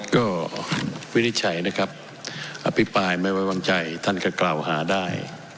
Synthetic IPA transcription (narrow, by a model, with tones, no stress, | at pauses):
kɔː˥˩ | wi˦˥ni˧t̪̚t͡ɕʰa˩˦jna˧˥˩kʰa˦˥p̚ | ʔa˧pʰi˦˥pɾaː˧jma˥˩jwa˧˩wa˧ŋt͡ɕa˧jt̪ʰa˥˩nkɔː˥˩klaː˨˩whaː˩˦daː˥˩j